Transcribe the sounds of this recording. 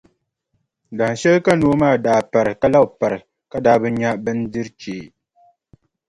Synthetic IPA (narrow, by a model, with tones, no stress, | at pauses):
da˨ʃɛ˦lka˦noː˦maː˦˨daː˨pa˨ɾɨ˨ka˦la˦˨pa˨ɾɨ˨ | ka˦daː˦bɨ˦ɲa˦bɨ˦n˦dɨ˦ɾt͡ʃeː˨